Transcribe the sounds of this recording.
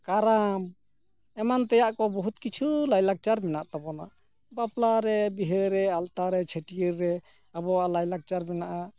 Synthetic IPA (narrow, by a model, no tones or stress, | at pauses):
kaɾam | ɛmant̪ɛjaʔkɔbɔɦut̪kit͡ʃʰulajlak̚t͡ʃaɾmɛnaʔt̪ɔbɔnaʔ | baplaɾɛbiɦəɾɛalt̪aɾɛt͡ʃʰəʈijəɾːɛ | abɔwaʔlajlaɡ̚t͡ʃaɾmɛnaʔa